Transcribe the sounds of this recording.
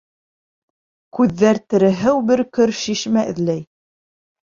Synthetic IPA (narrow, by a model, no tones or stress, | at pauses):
kʉðːæɾt̪ɘ̆ɾɘ̆ɦɘwbɘɾkɵɾʃiʃmæʔɘ̆ðlæj